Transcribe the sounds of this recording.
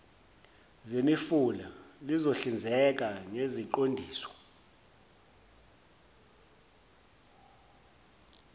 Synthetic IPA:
zemifulalizoɬind͡zʱɛk̬aŋeziǃondʱiːsɔ̥

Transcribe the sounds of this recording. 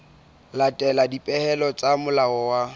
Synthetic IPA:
latʼɛladipʼɛhɛlɔt͡sʼamʊlaɔwa

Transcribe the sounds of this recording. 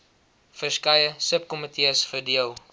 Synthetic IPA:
fəskɐjəsəp̚kɔmətʰiəsfədiəlˠ

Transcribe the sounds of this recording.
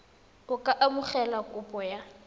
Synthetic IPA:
ʊkʼaʔamʊχɛlakʼʊpʼɔja

